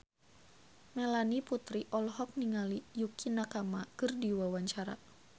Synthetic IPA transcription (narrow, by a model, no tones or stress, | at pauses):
mɛlaniput̪ɾiʔɔlɦɔk̚niŋalijukinakamakɨrdiwawaɲt͡ʃaɾa̰